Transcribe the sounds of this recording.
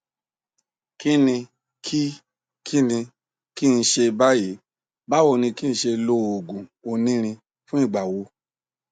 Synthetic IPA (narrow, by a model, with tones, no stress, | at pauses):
ki˦nĩ˧ | kʰi˦ | kʰi˦nĩ˧ | ki˦n̩˧˦ʃe˧ba˦ji˨˦ | ba˦wo˦˧˨nĩ˧ki˦n̩˦˧˦ʃe˧lo˧˦˨o˨ɡũ˨o˧nĩ˦ɾ̃ĩ˧ | fũ˦ĩ˦˨ɡ͡ba˨wo˨˧˦